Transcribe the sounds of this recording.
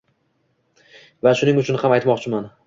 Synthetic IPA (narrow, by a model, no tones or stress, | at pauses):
vaʃʊnɪŋʊt͡ʃʰʊnhamajt̪mɒqt͡ʃʰɪman